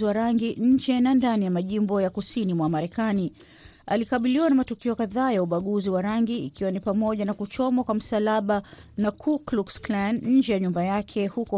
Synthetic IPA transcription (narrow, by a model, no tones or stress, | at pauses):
iwaɾaŋɡiʔɲ̩d͡ʒɛnandanijamaʄimbɔjakusinimwamaɾɛkani | a̰likaɓiliwanamatukiɔkaðaːjauɓaɠuziwaɾaŋɡiːkiwanipamɔʄanakut͡ʃɔmwakwam̩salaɓanakʰukluksklanɲ̩d͡ʒɛjaɲumbajakʰɛhukɔ